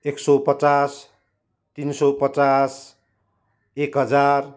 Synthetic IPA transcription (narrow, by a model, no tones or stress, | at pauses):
eksopʌt͡sas | t̪insopʌt͡sas | ekɦʌd͡zar